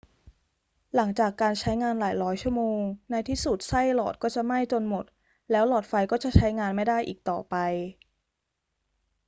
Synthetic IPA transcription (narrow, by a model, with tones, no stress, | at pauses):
la˩˦ŋt͡ɕaː˨˩kːaː˧nt͡ɕʰa˦˥jŋaː˧nlaː˩˦jɾɔː˦˥jt͡ɕʰu˥˩əmoː˧ŋna˧jt̪ʰiː˥˩su˨˩t̪̚sa˥˩jlɔː˨˩t̪̚kɔː˥˩t͡ɕa˨˩ma˥˩jt͡ɕo˧nmo˨˩t̪̚ | lɛː˦˥wlɔː˨˩t̪̚fa˧jkɔː˥˩t͡ɕa˨˩t͡ɕʰa˦˥jŋaː˧nma˥˩jdaː˥˩jʔiː˨˩k̚t̪ɔ̰ː˨˩pa˧j